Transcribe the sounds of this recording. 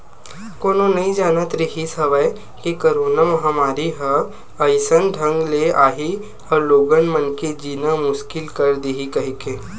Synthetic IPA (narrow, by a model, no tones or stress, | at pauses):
koːnõnɐɦĩd͡ʒaːnət̪ɾəɦisɐʋaj | kikɐɾoːnamɐɦamaːɾiɦə | ɐjsənɖʱɐ̃ŋɡleaːɦi | ɔːɾloːɡənmɐnked͡ʒiːnamʊʃkɪlkɐɾd̪iɦikɐɦikẽː